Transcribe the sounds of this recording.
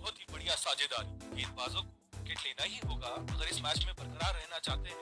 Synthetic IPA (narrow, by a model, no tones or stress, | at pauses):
bɔɦɔt̪ɦibɐɽijasaːd͡ʒed̪aːɾikeɪnʋaːzõkokɾɪkeʈleːnaɦiɦoːɡaɐɡəɾɪsmɛːt͡ʃmẽbɐɾkəɾaːɾːɛɦnat͡ʃaːɦt̪eɦɛ̃